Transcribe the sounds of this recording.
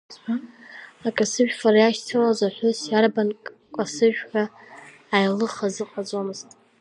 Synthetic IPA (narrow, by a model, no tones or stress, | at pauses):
aakʼasɨʒᶣfarjaʃtʰɨlazʷaħʷʊsjarbankʼkʼasɨʒᶣħaː | jlɨχazɨqʼad͡zomɨztʼ